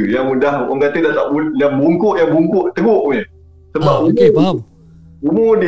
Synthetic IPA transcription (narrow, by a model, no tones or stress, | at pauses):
jaŋudahə̰ŋɡat̪ədaht̪aʔbudabuŋkʊʔjaŋbuŋkʊʔt̪əɡʊʔuɲə | səbap̚umu | umũdi